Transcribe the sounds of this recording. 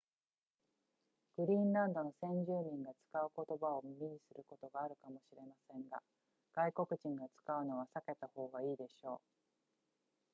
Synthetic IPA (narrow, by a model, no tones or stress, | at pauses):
ɡ̥ɯ̟ɾʲĩːnɾãnd̪o̞no̞sẽ̞ɲ̟d͡ʑɨːɲ̟ĩŋɡat͡sɨ̥kaɯ̟ko̞t̪o̞bao̞mimʲiɲ̟isɨɾɯ̟ko̞t̪o̞ɡaːɾɯ̟kamo̞ɕiɾe̞masẽ̞ŋɡa̰ | ɡ̥aiko̞kɯ̟ʑĩŋɡat͡sɨ̥kaɯ̟no̞βasake̞t̪aho̞ːɡaiːd̪e̞ɕo̞ː